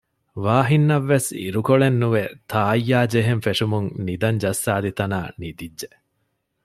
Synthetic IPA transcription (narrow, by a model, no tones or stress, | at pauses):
ʋaːɦinːɐʋːesḭɾukoɭenːuʋet̪ʰaːjːaːd͡ʒeɦenfeʂumuŋnid̪ɐɲd͡ʒɐsːaːd̪it̪ɐnaːnid̪idʒe